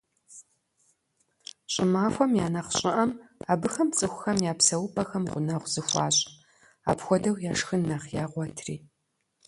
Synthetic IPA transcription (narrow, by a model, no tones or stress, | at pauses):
ɕʼɪmaːxʷɔmjaːnɐχɕʼɪʔɐmaːbɨxɐmt͡sʼɨxʷʊxɐmjaːpsɐwʊpʰɐxɐmʁʷʊnɐʁʷzɨxʷɑ̰ːɕʼ | a̰ːpxʷɔdɐwjaːʂxɨnːaχjaːʁʷɔtʰriː